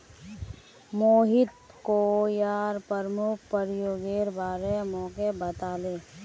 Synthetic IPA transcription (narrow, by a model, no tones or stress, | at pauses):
moːɦɪt̪̚ | koːjaːɾpəɾmʊk̚ʰpəɾjoːɡeːɾbaːɾemɔ̃ːkebət̪aːleː